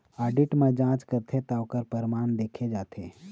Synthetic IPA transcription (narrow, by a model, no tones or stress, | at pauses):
aːɖɪʈmẽd͡ʒãːt͡ʃkəɾt̪ʰet̪aːwkəɾpəɾmaːnd̪eːkʰed͡ʒaːt̪ʰeː